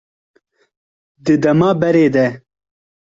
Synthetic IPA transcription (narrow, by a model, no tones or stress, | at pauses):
d̪ɨd̪ɐmaːbɛɾeːd̪ɛ